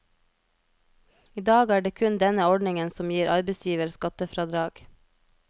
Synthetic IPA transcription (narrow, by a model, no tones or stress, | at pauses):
iːd̪ɑːɡæːɖeːkʰʉnd̪ɛnəɔɖɳɪŋənsɔmjiːɾʔɑɾbɛsjiːʋəɾskɑt̪əfɾɑːd̪ɾɑːɡ̥